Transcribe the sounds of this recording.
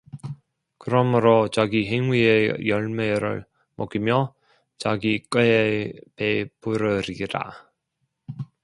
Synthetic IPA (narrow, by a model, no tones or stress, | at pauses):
kɯɾʌmɯɾot͡ɕaɡiɦeŋwiejʌɭme̞ɾɯ̰ɭ | mʌk͈imjʌ | t͡ɕaɡik͈ɯepepuɾɯɾiɾa̰